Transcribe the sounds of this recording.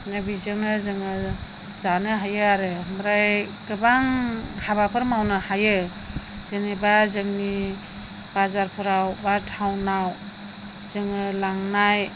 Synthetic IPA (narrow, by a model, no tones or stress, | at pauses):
nɯbizɯŋnɯzɯŋɯ | zanɯɦajɯaɾɯməɾajɡɯbaŋhabapʰɯɾmawnɯhajɯ | z̥ɯnibazɯŋni | bazaɾpʰuɾawbatʰawnaw | z̥ɯŋɯlaŋnaj